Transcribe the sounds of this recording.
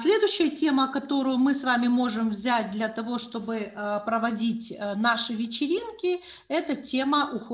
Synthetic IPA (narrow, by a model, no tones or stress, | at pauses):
sʲlʲe̞d̪ʊjɕːɪjətʲe̞məkɐt̪o̞ɾʊjʊmɨsvamʲɪmo̞ʐɨmvzʲæt̚ʲd̪lʲɐt̪ɐvo̞ʂt̪o̞bɨpɾəvɐdʲitʲnaʂɨvʲɪt͡ɕɪɾʲinkʲɪ | ɛt̪ətʲe̞məʔʊx